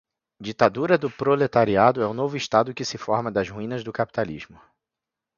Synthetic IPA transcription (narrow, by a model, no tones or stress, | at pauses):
d͡ʒit̪ad̪uɾɐd̪ʊpɾolet̪aɾiad̪ʊɛũnovʊiʃt̪ad̪ʊkɪsɪfɔɾmɐd̪ɐzhuĩnɐzd̪ʊkapi̥t̪alḭzmʊ